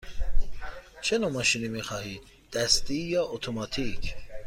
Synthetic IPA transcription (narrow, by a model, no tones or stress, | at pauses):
t͡ʃʰenomɑʃiːnimiːxɑːhiːd̪̥̚ːæst̪ijɒːʔot̪ʰomɑːt̪ʰicʰ